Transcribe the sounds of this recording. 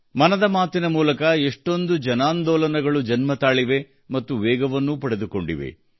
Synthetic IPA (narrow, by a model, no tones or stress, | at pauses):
mɐnɐd̪ɐmaːt̪inɐmuːlɐkɐeʂʈo̞nd̪ud͡ʒɐnaːnd̪ɔːlɐnɐɡɐɭud͡ʒɐnmɐt̪aːɭiʋe̞ | mɐt̪ːuʋɛːɡɐʋɐnːupɐɽed̪uko̞ɳɖḭʋe̞̰